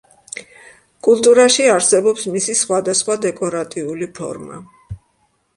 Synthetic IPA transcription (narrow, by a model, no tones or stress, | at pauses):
kʼulˠt̪ʼuɾaʃiaɾsɛbɔpsmisisχwad̪asχwad̪ɛkʼɔɾat̪ʼiulipʰɔ̰ɾma̰